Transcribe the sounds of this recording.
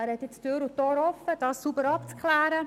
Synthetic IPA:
æɾhɛt̪jɪt͡støːɾutoːɾɔfːəd̥ɑːssubəɾɑpt͡skχlæːɾə

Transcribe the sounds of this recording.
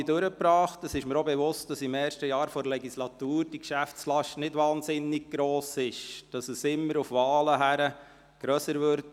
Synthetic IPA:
idʊɾəpɾɑːχtəsɪʃməɾobɛvʊst̚d̥ɑsɪmɛːɾʃtəjɑːɾfoɾlɛɡislɑtuːɾd̥ikʃæft͡slɑʃtnɪdʋɑːnzɪnːɪɡ̚ɡ̥ɾoːsɪʃd̥ɑsəsɪmːəɾufʋɑːləɦæɾə | ɡ̥ɾœsəɾvʋʏɾt

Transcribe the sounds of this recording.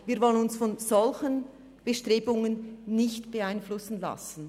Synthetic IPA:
viːɐɾvɔlənʊnsfɔnz̥ɔlçən | b̥əʃtʁ̥eːbʊŋənːɪçtb̥əaɪnflʊsn̩la̰sn̩

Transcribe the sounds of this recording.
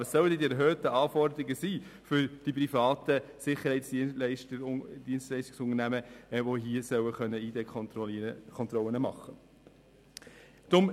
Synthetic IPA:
əsːœwəd̪ɛdiɛɾɦœːtəɑːfɔɾdəɾɪɡəsiːfʏɾd̥ipɾifɑːtəsɪχəɾhɛɪtsd̥ilɛɪʃtəd̥iənstlɛɪstɪksʊŋənæməʋoɦiːəsœwəχœnːəiːdek | kʰɔntɾɔlənəmɑχːə | d̥ɾʊm

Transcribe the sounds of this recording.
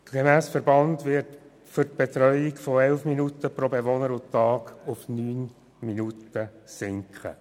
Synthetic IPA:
ɡ̥emæːsfəɾbɑndʋɪɾt | fʏrt̚b̥et̪ɾœʏɪkfɔɛlfminutəpɾobeʋonəɾʊtːɑːɡʊfnyːn | minutəsɪŋkχə̰

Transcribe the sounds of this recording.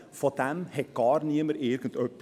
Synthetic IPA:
fɔd̪ɛnhɛkːɑːɾniːməɾeːɾɡənt̪œpː

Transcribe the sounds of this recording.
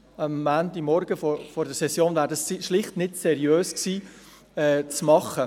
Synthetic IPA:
ɑmːændimɔɾɡ̥əfɔfɔɾdəɾsɛsjoːnvæːɾdɑssiʃlɪχtnɪdsɛɾjøːsksiː | ɛːt͡smɑχə

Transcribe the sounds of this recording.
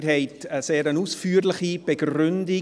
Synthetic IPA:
ɾɦɛɪtəseːɾənuːsfyːɾlɪχib̥əɡrʏndɪ

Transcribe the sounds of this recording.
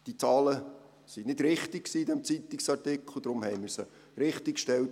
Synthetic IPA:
d̥it͡sɑːlə | sinɪdɾɪχt̪ɪk̚ksiːdɛmt͡sit̪ɪksɑrtɪkʰl̩ˠd̪ɾʊmhɛɪmɪɾsə | ɾɪχtɪkʃtɛlt

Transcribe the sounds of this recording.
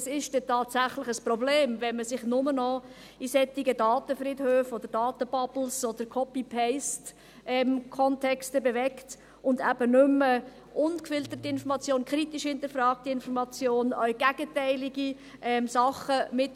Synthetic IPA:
sɪʃtd̥ɛtʰɑːtsæχlɪχəsprɔbleːmvɛnməsɪχnʊmənɔ | isɛtiɡədɑːt̪əfrɪdhøːfɔd̥̪əd̥ɑːt̪əb̥ɑbl̩sɔd̪əkʰɔpipʰɛɪst | ʔɛmkʰɔntʰɛkstəbevɛkt | ʊndæb̥ənʏmə | ʔʊnkfɪlt̪ətiɪnfɔɾmɑt͡sjoːnkʰʁitiʃhɪnt̪əɾfrɑːk̚tiɪnfɔɾmɑt͡sjoːnœʏɡ̥æɡ̥ətɛɪlɪɡi | ʔɛmsɑχəmɪt

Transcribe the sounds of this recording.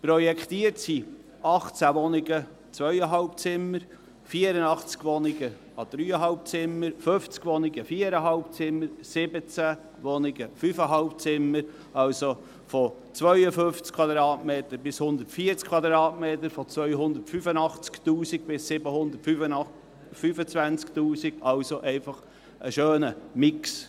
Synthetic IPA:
prɔjɛkχt̪iəɾtsi | ɑχt͡sæʋɔnɪɡə | t͡sʋœʏəɦɑlpt͡sɪməɾ | fiəɾənɑχt͡skʋɔnɪɡə | ɑd̪̥ɾyːəɦɑlp̚t͡sɪməɾføft͡skʋɔnɪɡəfiːəɾəɦɑlpt͡sɪmːəɾsɪbət͡sæ | ʋɔnɪɡəfyfəɦɑlpt͡sɪmːəɾ | ɑlso | fɔ | t͡sʋœʏəfønft͡skʰv̥wɑd̪ɾɑːtmeːt̪əɾbɪshʊnd̪ətfiːt͡skʰv̥ɑd̪ɾɑːtmeːtəɾfɔt͡svœʏɦʊnd̪ətfyfənɑχt͡sktuːsiɡ̚b̥ɪsɪbəhʊnd̪ətf | fyfət͡svænt͡sktuːsiɡ̥ɑlsoʔɛɪfɑχ | ʔə̰ʃøːnəmɪks

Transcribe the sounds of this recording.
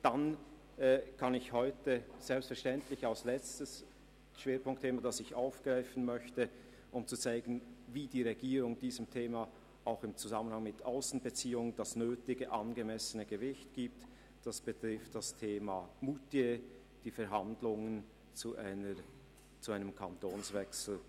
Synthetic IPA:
d̥an | ɛːkʰɑnɪçhɔʏtəz̥ɛlpstfɛɐʁʃtɛntlɪçaʊslɛt͡stəs | ʃv̥eːpʰʊŋk̚tʰːeːmadasɪçaʊfɡ̥ʁaɪfən̩mœçtə | ʔʊmt͡sut͡saɪɡ̥ən̩viːdiːʁeɡiːɾʊŋd̥iːzəmtʰeːma | ʔaʊxɪmt͡suzamənhaŋmɪtʰʔaʊsn̩bət͡siːʊŋənd̥asnøːtɪɡəʔɑnɡəmɛsənəɡəvɪçtɡ̥iːp̚t | d̥asb̥ətʁ̥ɪftd̥astʰeːmamutje | d̥iːfɛɾɦandlʊŋən | t͡sunə | t͡suaɪnəmkʰantoːnsvɛksl̩

